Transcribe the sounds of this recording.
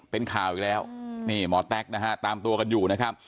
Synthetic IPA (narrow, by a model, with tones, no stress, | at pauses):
pe˧nkʰaː˨˩wʔi˨˩lɛː˦˥wniː˥˩mɔː˨˦˥t̪ɛ˦˥k̚na˦˥ɦa˦˥t̪aː˧mt̪u˧ɐka˧njuː˨˩na˦˥kʰa˦˥p̚